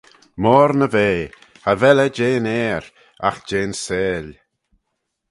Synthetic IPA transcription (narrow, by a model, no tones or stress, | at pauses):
mɔːɾnəveː | havɛləd͡ʒeːnɛːɾ | a̰xd͡ʒeːnseːl